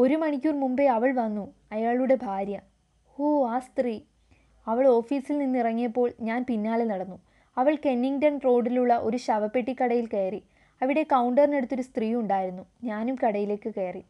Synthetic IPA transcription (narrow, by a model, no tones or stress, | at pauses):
o̞ɾumɐɳikʲːurmumbeɐʋɐɭʋɐnːuɐjaːɭuɽe̞bʱaːɾjɐ | oːaːst̪riː | ɐʋɐɭo̞ːfiːsilninːirɐŋːijɐpːo̞ːɭɲaːnpinːaːɭenɐɽɐnːu | ɐʋɐɭke̞nːiŋdɐnro̞ːɖiluɭːɐʔo̞ɾuɕɐʋɐpːeʈːikːɐɽɐjilke̞ːri | ɐʋiɽe̞kɐwɳɖɐrne̞ɽut̪ːo̞ɾust̪riːuɳɖaːjiɾunːuɲaːnumkɐɽɐjile̞ːkːɨkeːri